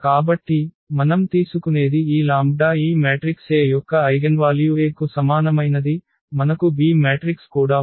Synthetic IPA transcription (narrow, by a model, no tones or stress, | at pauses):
kaːbɐʈːi | mɐnɐmt̪iːsukune̞ːd̪iiːlaːmbɖaːiːmeːʈɾikseːjɔkːɐːjɡɐnʋaːljueːkusɐmaːnɐmɐjnɐd̪i | mɐnɐkubiːmeːʈɾikskuːɽaː